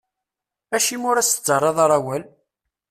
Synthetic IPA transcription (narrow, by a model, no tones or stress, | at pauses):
æʃimʊɾæsə̥t͡sːərˤːɑðˤɑɾˤɑwæl